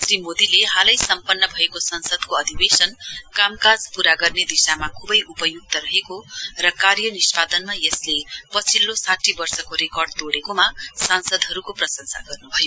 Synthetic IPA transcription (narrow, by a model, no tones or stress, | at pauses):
srimod̪ileɦalʌjsʌmpʌnːʌbʱʌekosʌnsʌd̪koʌd̪ʱibesʌnkamkad͡zpuɾaɡʌrned̪isamakʰubʌjʔupʌjuk̚t̪ʌɾʌɦekorʌkarjʌnispad̪ʌnmajeslepʌt͡sʰilːosaʈʰibʌrsʌkoɾekʌrɖt̪oɽekomasansʌd̪ɦʌɾukoprʌsʌnsa̰ɡʌrnubʱʌjo